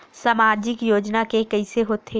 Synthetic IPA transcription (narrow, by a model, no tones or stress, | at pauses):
saːmaːɾd͡ʒɪkjoːd͡ʒnakekɐiseɦoːt̪ʰe